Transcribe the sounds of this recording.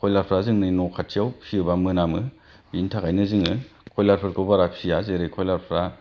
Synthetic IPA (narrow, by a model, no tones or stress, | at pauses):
kʰɔjlaɾpʰɾazɯŋnɯnɔkʰatʰiawsʰiɯbamɯnamɯ | bintʰakajnɯzɯŋɯkʰɔjlaɾpʰɯɾkʰɯbaɾapsijazeɾekʰɔjlaɾpʰɾa